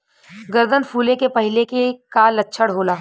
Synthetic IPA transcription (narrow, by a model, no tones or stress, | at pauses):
ɡəɾd̪ʱənfʰuːlẽkepɐɦɪlekekalɐtːʃʰəɽɦoːlaː